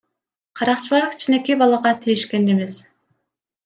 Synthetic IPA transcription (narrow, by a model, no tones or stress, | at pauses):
qʰɑɾɑqt͡ʃʰɯlˠɑɾkʲʰi̥t͡ʃʰine̞kʲibɑlˠɑʁɑt̪ʰijiʃke̞neme̞s